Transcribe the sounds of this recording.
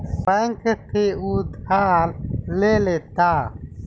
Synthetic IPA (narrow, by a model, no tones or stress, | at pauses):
bəŋkət̪ʰeud̪ʱaːlleleːt̪a